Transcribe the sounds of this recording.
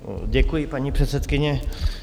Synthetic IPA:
ɟɛkujɪpaɲipr̥ɛt̪sɛt̪kɪɲɛ

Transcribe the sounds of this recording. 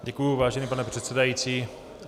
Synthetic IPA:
ɟɛkujuvaːʒɛniːpanɛpr̝̥ɛt̪sɛdajiːt͡siː

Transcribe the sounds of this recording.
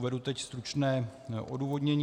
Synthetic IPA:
vɛdut̪ɛcst̪ɾut͡ʃnɛːʔo̰duːvo̞dɲɛɲː

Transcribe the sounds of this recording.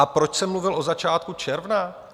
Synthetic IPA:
apɾo̞t͡ʃsɛmluvɪlʔo̞zat͡ʃaːt̪̚kut͡ʃɛɾvna

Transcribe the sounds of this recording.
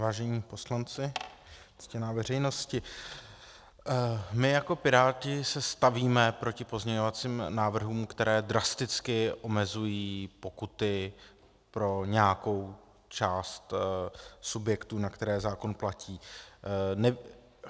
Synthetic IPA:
vaːʒɛɲiːpo̞slant͡sɪ | t͡scɛnaːvɛr̝ɛjno̞scɪ | mɪjako̞pɪɾaːcɪsɛst̪aviːmɛpɾo̞cɪpo̞zɲɛɲo̞vat͡siːmnaːvr̩ɦuːmkt̪ɛɾɛːd̪ɾast̪ɪt͡skɪʔo̞mɛzujiːpo̞kut̪ɪ | pɾo̞ɲɛako̞w | t͡ʃaːst̪ | subjɛkt̪uːnakt̪ɛɾɛːzaːko̞nplaciː | nɛ

